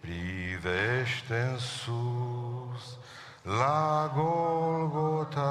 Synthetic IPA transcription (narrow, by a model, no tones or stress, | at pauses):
pɾiðeʃt̪ensu | s | laɡolɡot̪a